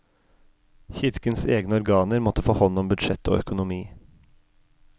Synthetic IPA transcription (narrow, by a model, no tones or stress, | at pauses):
çɪɾkənseːɡnəɔɾɡɑːnəɾmɔt̪əfoːhɔnɔmbʉd̪ʃɛt̪ʰo̰ːœkʊnʊmiː